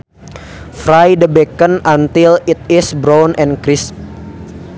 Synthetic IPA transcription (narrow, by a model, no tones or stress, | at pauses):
fɾajdəbekənant̪ilit̪̚ɪsbɾawnʔɛnkɾɪs̚